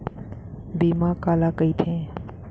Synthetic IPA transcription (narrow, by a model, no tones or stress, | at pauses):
bimakalakəjt̪ʰẽ